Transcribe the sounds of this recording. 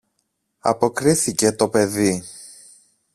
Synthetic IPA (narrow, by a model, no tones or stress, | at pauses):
ɐ̰po̞kɾiθice̞t̪o̞pe̞ði